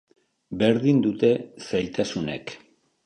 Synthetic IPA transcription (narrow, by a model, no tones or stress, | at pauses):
be̞ɾðind̪ut̪e̞sajt̪asune̞̰k